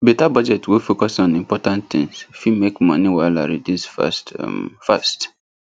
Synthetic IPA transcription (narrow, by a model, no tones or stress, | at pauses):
bɛtabɔd͡ʒɛtwifokɔsɔ̃nĩmpɔtãntt̪ɪ̰̃ŋsfimekmɔ̰̃niwaɪla̰ɾidusfstfast